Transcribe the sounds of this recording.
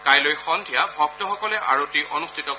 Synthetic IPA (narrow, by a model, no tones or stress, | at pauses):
kajlojxɔndʱijabʱɔk̚tɔxɔkɔlɛʔa̰ɹotiʔɔnustʰitɔ